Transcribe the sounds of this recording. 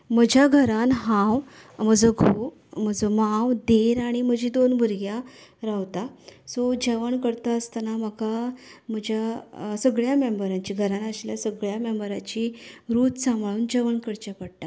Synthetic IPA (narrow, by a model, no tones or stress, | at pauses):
məd͡ʑʱjaɡʱəɾanɦãw | məd͡zəɡʱo | məd͡zəmawd̪eɾaɽ̃im̤əd͡ʑʱid̪onbʱuɾɡjaɾaʋt̪asɔd͡ʑeʋəɳkəɾt̪aəst̪anaməkam̤əd͡ʑʱjasəɡɭjamembəɾaɲt͡ɕiɡʱəɾanəɕljasəɡɭjamembəɾat͡ɕiɾuːt̪sãmbʱɭuːnd͡ʑəʋəɳkəɾt͡ɕapəɽʈa